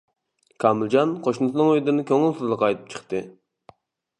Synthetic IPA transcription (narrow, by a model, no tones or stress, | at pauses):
kʰɑmɨlˠd͡ʒɑnqʰoʃnɨsɨnɨŋøjd̪ɨnɪkʲøŋɪlˠsɨzlˠəqɑjt̪ʰɨ̥p̚t͡ʃʰə̥χt̪ɨ